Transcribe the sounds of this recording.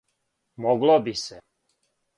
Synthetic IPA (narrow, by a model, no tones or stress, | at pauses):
moɡlobisɛ